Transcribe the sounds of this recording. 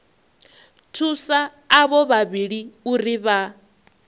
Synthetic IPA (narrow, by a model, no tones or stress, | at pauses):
tʰusaː | βɔβaβiɺiuriβa